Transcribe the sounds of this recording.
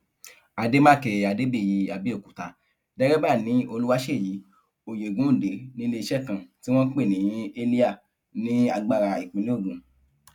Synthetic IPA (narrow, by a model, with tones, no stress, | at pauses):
a˧de˦mã˦˨kɛ˧˨a˨de˦be˦˨ji˨˧a˧bi˦o˦˨ku˨ta˧˦ | dɛ˦ɾɛ˦ba˦˨nĩ˨˦o˧lu˦wa˦ʃe˦˨ji˨˦ | o˨je˨ɡũ˨˦˨de˨˦nĩ˦le˧i˧ʃɛ˦˨kã˧˨ti˦w̃ɔ̃˦k͡pe˦˨nĩ˨˦e˦li˦a˦˨ | nĩ˦a˧ɡ͡ba˧ɾa˧i˨k͡pĩ˨˦lĩ˦o˦˨ɡũ˨